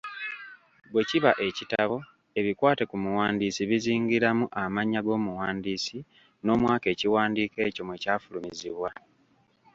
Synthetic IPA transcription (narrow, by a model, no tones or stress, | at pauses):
bwe̞ciβaʔe̞citaβo̞ | e̞βikwaːte̞kumuwaːndiːsiβiziːŋɡiɾamuʔamaɲːaɡo̞ːmuwaːndiːsi | no̞ːmwaːke̞ːciwaːndiːke̞ːco̞mwecaːfulumiziβwa